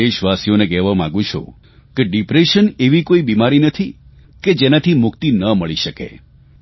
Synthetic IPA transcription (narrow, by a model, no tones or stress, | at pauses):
eʃʋasijonekɛɦʋamãɡũt͡ʃʰṵ | keɖipɾeʃəneʋikoibimaɾinət̪ʰi | ked͡ʒenat̪ʰimʊkt̪inəməɭiʃəkḛ